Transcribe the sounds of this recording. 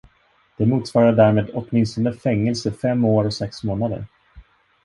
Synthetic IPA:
d̪̥ɛmuːt̪svɑːɾaɖæːɾmeːd̪ɔt̪mɪnst̪ɔnəfɛŋːɛlsəfɛmːoːɾɔsɛksmoːnad̪ə̰ɾ

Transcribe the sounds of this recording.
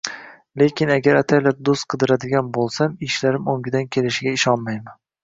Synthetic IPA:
le̞kʲɪnaɡʲaɾat̪ʰajlaɾ̚d̪ost̪̚qʰɨd̪ɪɾad̪ɪɡʲanbolˠsamɪʃlaɾɪmoŋɡʲɪd̪ankʲʰe̞lɪʃɪɡʲaɪʃɒnmajman

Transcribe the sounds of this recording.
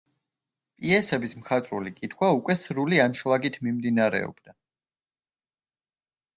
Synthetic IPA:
pʼiɛsɛbismχʰat̪ʼɾulikʼit̪ʰχwaukʼwɛsɾulianʃlˠaɡit̪ʰmimd̪inaɾɛ̰ɔ̰b̥d̪̥a

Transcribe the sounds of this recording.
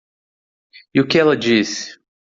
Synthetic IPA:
iʊkɪɛlɐd͡ʒisɪ̥

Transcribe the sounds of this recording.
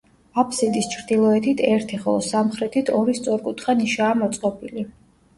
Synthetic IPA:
apʰsid̪ist͡ʃʰɾd̪ilˠɔɛt̪ʰit̪ʰɛɾt̪ʰiχɔlˠɔsamχɾɛt̪ʰit̪ʰɔɾist̪sʼɔɾkʼut̪ʰχaniʃaːmɔt̪sʼqʼɔpʰʼili

